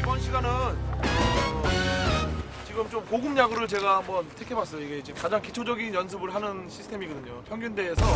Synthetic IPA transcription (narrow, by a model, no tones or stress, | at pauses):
ibʌnɕʰiɡanɯn | t͡ɕiɡɯmt͡ɕomkoɡɯmɲaɡɯɾɯɭt͡ɕe̞ɡahambʌntʰekʰe̞bas͈ʌjoiɡe̞d͡ʑekad͡ʑaŋkit͡ɕʰod͡ʑʌɡinjʌnsʰɯbɯɭɦanɯnɕʰi̥sʰɯtʰemiɡʌdɯɲopʰjʌŋɡjunde̞ːsʰʌ